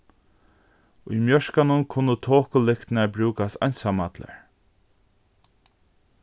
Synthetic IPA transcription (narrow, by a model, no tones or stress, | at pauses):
ʊjmjœʃkanʊnkʰʊnːət̪ʰoːkʊlɪkt̪naɹbɾuːkast̪ajnsamat̪la̰ɹ